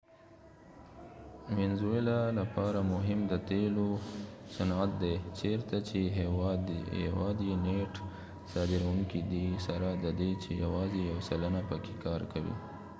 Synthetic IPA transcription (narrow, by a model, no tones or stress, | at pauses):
wɪnzuelalapɑɾamʊɦɪmd̪ət̪elosanat̪̚d̪et͡ʃeɾt̪at͡ʃeɦewd̪ḛwɑ̰d̪ineʈ | sɑd̪ɪɾawuŋkid̪isaɾad̪əd̪et͡ʃejawɑzejawsalanapəke̥kɑɾkawḭ